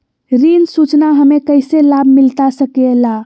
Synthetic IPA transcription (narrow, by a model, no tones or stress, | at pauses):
ɾinsut͡ʃnaɦəmekəɪselabʱmilt̪asəkela